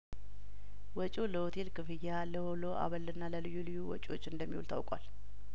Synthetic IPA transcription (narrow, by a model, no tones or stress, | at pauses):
wɔt͡ʃʼoləhot̪ʰe̞lkʰɨfɨjːaləholoʔa̰βəlɨnːaləlɨjːulɨjːuwɔ̰t͡ʃʼo̞̰t͡ʃːɨnd̪əmːihṵlt̪ʰa̰wkʼwa̰l